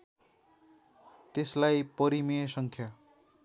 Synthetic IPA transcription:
t̪eslajpʌɾimesʌŋkʰja

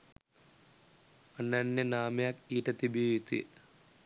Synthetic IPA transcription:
ɐnːanːenaːmjakiːʈːɐt̪ːibijt̪ːḭ

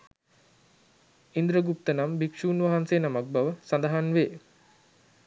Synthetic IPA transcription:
ind̪ɾəɡup̚t̪ənambikʂuːnʋaɦanseːnamak̚baʋəsand̪aɦanʋeː

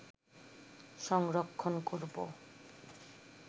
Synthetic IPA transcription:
ʃɔŋɾokʰːonkoɾbo̰

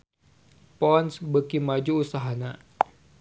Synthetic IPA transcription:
pɔnsbəkimad͡ʒuːsaɦana

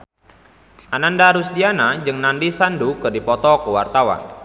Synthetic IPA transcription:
ʔanandaɾusdianad͡ʒɨŋnandisandukɨrdipɔt̪ɔkəwa̰rt̪awa̰n

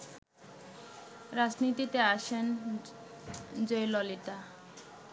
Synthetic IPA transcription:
ɾad͡ʑnit̪it̪eaʃen | d͡ʑojlɔlit̪a

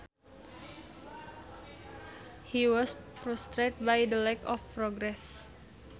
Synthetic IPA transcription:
hiwɔsfɾust̪ɾet̪̚bajdəlɛkɔfpɾɔɡɾɛs

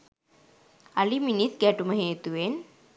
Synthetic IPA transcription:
aliminit̪ɡæʈuməɦeːt̪uʋen

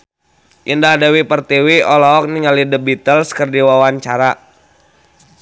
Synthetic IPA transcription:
ʔindahdawipərt̪iwiɔlɔɔk̚niŋalidəbit̪əlskərdiwawaɲt͡ʃaɾa

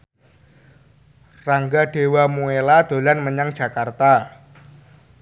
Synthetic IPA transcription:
raŋɡaɖ̥e̤wamuelad̪̥o̤lanməɲaŋd̥ʒ̥ä̤kart̪a

